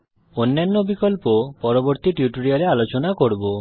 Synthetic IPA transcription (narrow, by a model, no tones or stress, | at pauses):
onːanːɔbikɔlpopɔɾɔbɔɾt̪iʈjuʈoɾiaɾealot͡ʃɔnakoɾbo